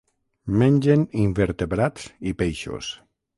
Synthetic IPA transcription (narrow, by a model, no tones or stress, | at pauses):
menʲd͡ʒenimbeɾt̪eβɾasipejʃo̰s